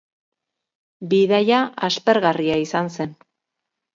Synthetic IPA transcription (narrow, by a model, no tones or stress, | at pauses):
biðajaaspe̞ɾɣariaisanse̞n